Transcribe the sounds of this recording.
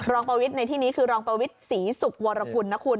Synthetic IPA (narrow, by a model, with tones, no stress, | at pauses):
ɾɔː˧ŋpɾa˧wi˦˥t̪̚na˧jt̪ʰiː˥˩niː˦˥kʰɯː˧ɾɔː˧ŋpɾa˧wi˦˥t̪̚siː˩˦su˨˩k̚wɔː˧ɾa˧ku˧nːa˦˥kʰu˧n